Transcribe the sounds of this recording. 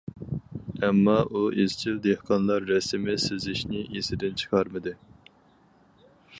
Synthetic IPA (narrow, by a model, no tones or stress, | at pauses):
ɛmːɑʔuʔezt͡ʃʰild̪ehqʰɑnlˠɑɾːɛsɪmɪsɪzɪʃnɪʔesɪd̪ɪnt͡ʃʰɨ̥qʰɑɾmɨd̪ɪ